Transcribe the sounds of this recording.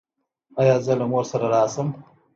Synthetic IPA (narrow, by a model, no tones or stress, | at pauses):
ajɑːzəlamoɾsaɾaɾɑːsəm